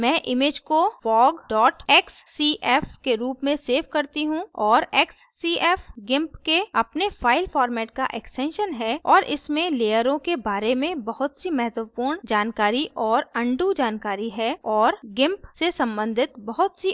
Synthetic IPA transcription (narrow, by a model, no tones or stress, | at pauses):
mɛ̃ːʔɪmeːd͡ʒkofɔːɡɖɔːʈɛːksːiːʔɛːfkeɾuːpmẽseːfkɐɾt̪iɦũɔːɾɛːksːiːʔɛːfɡɪ̃mpkeɐpnefʰaːɪlpʰɔːɾmɛːʈka̰ʔɛksʈɛ̃nʃənɦɛːɔːɾʔɪ̰smẽleːjəɾõkebaːɾemẽbɐɦʊt̪simɛɦət̪wəpuːɾɳd͡ʒaːnkaːɾiʔɔːɾɐ̃ɳɖud͡ʒaːnkaːɾiɦɛɔːɾɡɪ̃mpsesɐ̃mbə̃nd̪ʱɪt̪bɐɦʊt̪si